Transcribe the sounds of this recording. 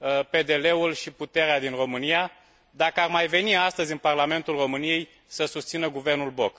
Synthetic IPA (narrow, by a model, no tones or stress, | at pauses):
pe̞d̪e̞le̞ulʃiput̪e̞ɾead̪inro̞mɨnija | d̪akəarmajve̞niast̪əzʲɨnparlame̞nt̪ulro̞mɨnije̞j | səsust̪sinəɡuve̞rnulbo̞k